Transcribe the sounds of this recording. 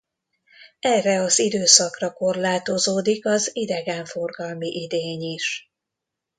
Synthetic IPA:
ɛrɛɒzid̪øːsɒkrɒko̞rlaːt̪o̞zoːd̪ikɒzid̪ɛɡɛɱfo̞rɡɒlmiʔid̪eːɲiʃ

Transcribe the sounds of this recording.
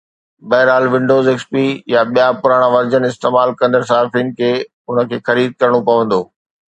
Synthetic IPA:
bɐɦɪɾaːlʋɪ̃ɳɖoːzekspijaɓijapʊɾaːɽ̃ãʋɐɾd͡ʑənɪst̪eːmaːlkɐ̃nd̪əɾs̬aːfiːnɪ̆kʰeː | ʊnə̆kʰeːxɐɾiːd̪̚kɐɾəɽ̃opɐʋə̃nd̪oː

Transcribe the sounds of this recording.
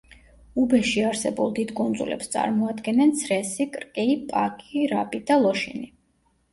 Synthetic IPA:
ubɛʃiaɾsɛbṵlˠd̪id̪kʼund̪zṵlʔɛ̰pst̪sʼa̰ɾmɔad̪ɡɛnɛnt̪sʰɾɛsikʼɾkʼɛipʼakʼiɾabid̪alˠɔʃḭni

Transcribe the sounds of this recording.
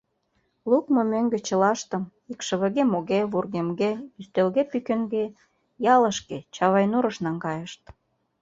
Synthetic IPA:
lukmomøŋɡĕt͡ɕə̆lɑʃt̪ə̆m | ikʃə̆βə̆ɣemoɣeβurɣemɡeyst̪elɣepykĕŋɡe | jɑləʃket͡ɕɑβɑjnuɾə̆ʃnɑŋɡɑjəʃt̪̚

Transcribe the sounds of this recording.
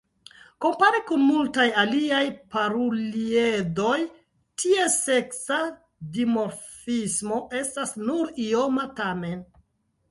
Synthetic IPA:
ko̞mpaɾikunmultajaliajpaɾuliedo̞j | tʰie̞se̞ksa | dimo̞ɾfismo̞ʔe̞stasnuɾio̞matame̞n

